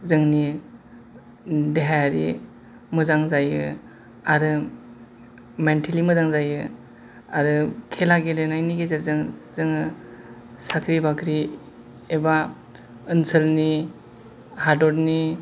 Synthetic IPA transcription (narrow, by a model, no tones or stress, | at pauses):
zɯŋni | deɦajaɾḭ | mɯzaŋzajɯ | aɾɯ | mentʰelimɯzaŋzajɯ | aɾɯkʰelaɡelenajniɡezaɾzɯŋzɯŋɯ | sakʰɾibakʰɾi | eba | ɯnsəlni | hadɔɾni